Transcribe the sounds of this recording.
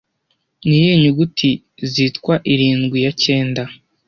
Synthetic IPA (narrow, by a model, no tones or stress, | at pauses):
nijeɲuɡutʰi | ziːtkwaʔiɾiːnɡwijace̞ːnda